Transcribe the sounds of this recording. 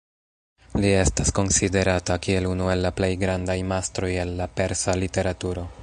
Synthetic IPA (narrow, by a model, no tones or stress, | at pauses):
lie̞stasko̞nside̞ɾatakie̞lunue̞lːaple̞jɡɾandajmastɾo̞je̞nːape̞ɾsalite̞ɾatuɾo̞